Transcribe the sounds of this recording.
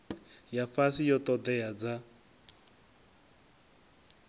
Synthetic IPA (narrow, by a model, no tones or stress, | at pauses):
jafasijɔt̪ɔd̪ɛjad͡za